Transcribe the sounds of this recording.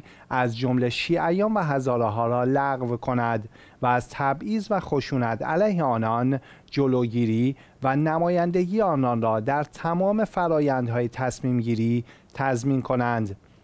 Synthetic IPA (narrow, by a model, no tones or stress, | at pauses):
ʔæzd͡ʒomle̞ʃiːʔæjɒːnvæɦæzɒːɾeɦɒːɾɒːlæɣvkʰo̞næd̪ | væːzt̪ʰæbiːzvæxo̞ʃuːnæt̪ʰæ̰læːjɦe̞ɒːnɒn | d͡ʒoloːɟiːɾiː | vænæmɒːjænd̪eɟiːeɒːnɒːnrɒːd̪æɾt̪ʰæmɒːme̞fæɾɒːjænd̪ɦɒːjet̪ʰæsmiːmɟiːɾiːt̪ʰæzmiːnkʰo̞nænd̪